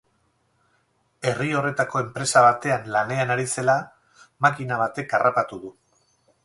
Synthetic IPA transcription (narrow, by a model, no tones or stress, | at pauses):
e̞rio̞re̞t̪ako̞e̞mpɾe̞saβ̞at̪e̞anlane̞anaɾise̞la | makinaβ̞at̪e̞karʔapat̪uðu